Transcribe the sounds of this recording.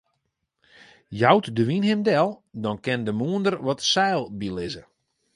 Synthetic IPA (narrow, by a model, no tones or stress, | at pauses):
jawtdəʋinɦɪmdɛlˠdɔnkɪndəmuəndərʋɔtsɛːlˠbilɪzə